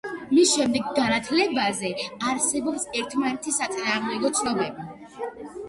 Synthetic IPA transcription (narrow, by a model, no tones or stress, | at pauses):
misʃɛmd̪ɛɡɡanat̪ʰlɛbazɛaɾsɛbɔpsɛɾt̪ʰmanɛt̪ʰisat̪sʼinaːʁmd̪ɛɡɔt̪sʰnɔbɛbi